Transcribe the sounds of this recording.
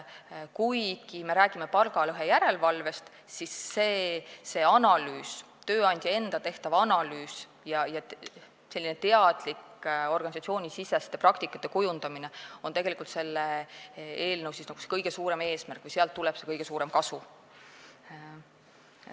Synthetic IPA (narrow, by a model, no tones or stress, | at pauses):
kujkime̞ɾæːɡ̥imepɑlɡ̥ɑløɦejæɾe̞lvɑlve̞st̪ | sisːeːse̞ɑnɑlyːs | t̪ø̞ːɑnʲd̪̥ʲjɑe̞nd̪̥ɑt̪e̞ht̪ɑvɑnɑlyːs | jɑjɑ | selːinet̪e̞ɑd̪̥liko̞rɡɑnʲisɑt̪sio̞ːnʲisisest̪ːeprɑk̚t̪ikːˑɑt̪ːˑe̞kujund̪̥ɑmine̞o̞nt̪e̞ɡ̥e̞likult̪se̞lːe | e̞ːlnəwsisnɑɡ̥use̥kɤjɡ̥e̞suːɾe̞me̞ːsmærkːˑvɯjseɑlt̪ːulɛb̥se̞kɤjɡ̥e̞suːɾe̞mkɑsu